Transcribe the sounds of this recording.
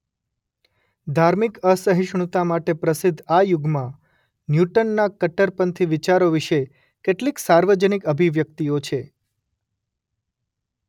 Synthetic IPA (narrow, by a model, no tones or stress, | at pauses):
d̪ʱaɾmikəsəɦiʃɳ̃ut̪amaʈepɾəsɪd̪ʱajuɡmã | njuʈənːakəʈəɾpənt̪ʰiʋit͡ʃaɾoʋiʃe | keʈliksaɾʋəd͡ʒənikəbʱiʋjək̚t̪iot͡ʃʰe